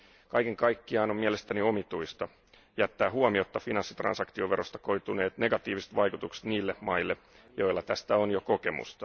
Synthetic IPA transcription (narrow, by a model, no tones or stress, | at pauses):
kɑjke̞ŋkɑjkːiɑːnomielest̪ænio̞mit̪uist̪ɑ | jæt̪ːæːɦuomio̞t̪ːɑfinɑnsːit̪rɑ̰nsɑkt̪ioʋe̞ɾo̞st̪ɑ̥ko̞jt̪une̞ːt̪ne̞ɡɑt̪iːʋise̥t̪ʋɑjkut̪ukse̥t̪niːlːemɑilːe̞ | jo̞jlːɑt̪æst̪æonjoko̞ke̞mṵst̪ɑ̥